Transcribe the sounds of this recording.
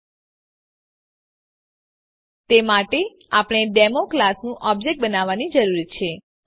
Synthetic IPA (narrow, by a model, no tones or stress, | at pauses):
t̪emaʈe | apəɳ̃eɖemoklasnũʔɔb̚d͡ʒek̚ʈ̚bənaʋːanid͡ʒəɾuɾit͡ʃʰe